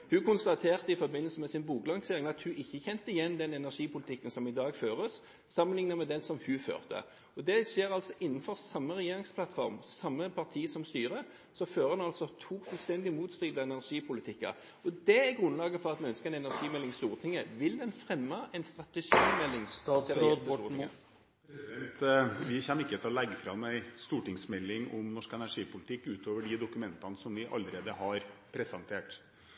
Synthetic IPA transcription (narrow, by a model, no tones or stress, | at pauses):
hʉkʊnst̪ɑt̪ʰeːʁt̪əɪfɔɾbɪnəlsəmɛsɪnbuːklɑŋsɛɾɪŋɑt̪hʉʔɪçːəçɛnt̪əɪjɛnd̪ɛnɛnæʁʂiːpʰʊlɪt̪ɪkːənsɔmɪd̪ɑːɡføːʁəs | sɑmːənlɪŋnəmɛd̪ɛsɔmhʉfø̰ːʁt̪ə̰ | ɔd̪ɛʂeːʁɑlsɔʔɪnːnfɔʁsɑmːəʁɛjeːɾɪŋspʰlɑt̪fɔʁmsɑmːəpʰɑʁt̪ʰiːsɔmst̪yːʁə | sɔføːʁəənɑlsɔt̪ʰuːkfʉlst̪ɛnd̪ɪmuːt̪st̪ɾiːd̪əɛnæʁʂiːpʰʊlɪt̪ʰɪkːɑ̰ | ɔd̪ɛæɾɡʁʉnlɑːɡəfɔʁɑt̪mɛœnskəʁɛnɛnæɾʂiːmɛlːɪŋst̪uːʁət̪ʰɪŋːəʋɪld̪ɛnfʁɛmːəɛnst̪ʁɑt̪əʂiːmɛlːɪŋːt̪ot̪uːɾ | t̪ʋɪçɛnːəɪkːət̪ʰɪlɔlɛɡːəfɾɑmæɪst̪uːʈɪŋsmɛlːɪŋɔmnɔʂkɛnæʂiːpʊlɪt̪ɪkːʉːt̪ʰoːʋəɖɪd̪ʊkʉmɛnt̪ɑnəsɔmʋɪʔɑ̰lːəɾeːd̪əhɑɾpʰɾɛsɛnt̪ʰeːʈ